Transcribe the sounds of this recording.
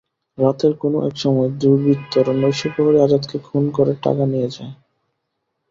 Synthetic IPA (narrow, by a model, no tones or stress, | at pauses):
ɾat̪eɾkonoʔɛ̰kʃɔmɔed̪uɾbit̪ʰːoɾonojʃipɔɦoɾiad͡ʑat̪kekʰunkoɾeʈa̰kanijed͡ʑae